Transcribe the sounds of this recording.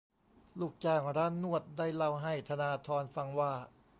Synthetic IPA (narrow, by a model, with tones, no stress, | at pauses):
luː˨˩k̚t͡ɕaː˧˩ŋɾaː˦˥nːu˥˩ət̪̚daː˥˩jla˥˩wɦa˥˩jt̪ʰa˧naː˧t̪ʰɔː˧nfa˧ŋwaː˥˩